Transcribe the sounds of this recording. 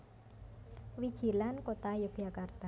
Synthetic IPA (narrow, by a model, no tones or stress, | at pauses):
wid̥ʒ̥i̤lankot̪ajuɡ̥jakart̪a